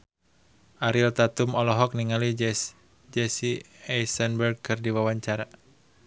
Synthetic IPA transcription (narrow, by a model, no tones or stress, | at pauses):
ʔaɾiɔt̪at̪umɔlɔɦɔk̚niŋali | d͡ʒɛsiɛjsɛnbɛrɡ̚kɨrdiwawaɲt͡ʃaɾa